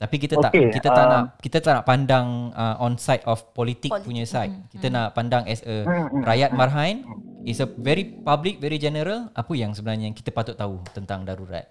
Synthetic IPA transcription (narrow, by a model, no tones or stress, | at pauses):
t̪apik̬it̪əot̪aʔkekit̪ət̪anaʔkit̪ət̪aʔnaʔpandaŋəʔɔ̃nsajt̪ɔfpɔlit̪ik̚puɲə̃sajt̪̚kit̪ənaʔpandaŋɛsəɾajat̪̚marɦãjnisəvɛɾipablik̚vɛɾid͡ʒɛnəɾəlapəjaŋsəbənarɲakit̪əpat̪ʊt̪ːaut̪ənt̪aŋdaɾuɾa̰t̪̚